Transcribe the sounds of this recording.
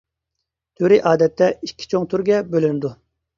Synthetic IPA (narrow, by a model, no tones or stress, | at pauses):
t̪ʰyɾiʔɑːd̪ɛt̪ːɛikʲʰːi̥t͡ʃʰoŋt̪ʰyɾɡʲɛbølynɪd̪u